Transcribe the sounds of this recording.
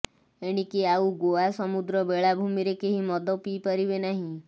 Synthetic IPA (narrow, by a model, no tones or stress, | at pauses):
eɽ̃ikiauɡoasɔmud̪ɾɔbeɭabʱumiɾekeɦimɔd̪ɔpipaɾibenaɦĩ